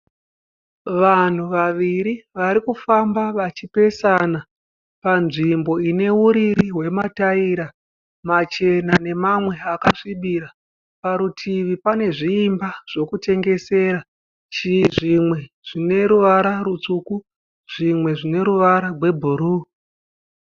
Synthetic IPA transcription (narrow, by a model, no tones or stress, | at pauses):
ʋan̤uʋaʋiɾiʋaɾikufambaʋat͡ʃipe̞sana | panʐimbo̞ine̞uɾiɾiɦwe̞mataiɾa | mat͡ʃe̞nane̞mamwe̞akaʂiɓiɾa | paɾutʰiʋipane̞ʐiːmbaʐ̥o̞kute̞ŋɡe̞se̞ːɾa | t͡ʃiʐimwe̞ | ʐ̥ine̞ɾuʋaɾaɾut͡suku | ʐ̥imwe̞ʐine̞ɾuʋaɾarwe̞bʱuɾuː